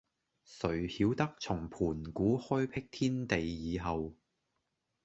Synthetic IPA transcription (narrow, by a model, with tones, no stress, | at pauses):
sɵ˨˩ɥhiː˨˥wt̪ɐ˥k̚t͡sʰʊ˨˩ŋpʰuː˨˩nkuː˨˥hɔ˥jpʰɪ˥k̚t̪ʰiː˥nt̪e˨jːiː˨˧ɦɐ˨w